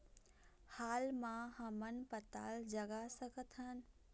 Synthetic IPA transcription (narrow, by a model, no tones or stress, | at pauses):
haːlmãɦəmənpət̪a̰ːld͡ʒəɡasəkət̪ʰən̆